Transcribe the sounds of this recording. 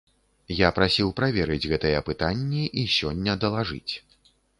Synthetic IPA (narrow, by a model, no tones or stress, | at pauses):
japɾasʲiwpɾavʲɛɾɨd͡zʲɣɛt̪ɐjɐpɨt̪anʲːiʔisʲɔnʲːɐd̪ɐlˠaʐɨ̰t͡sʲ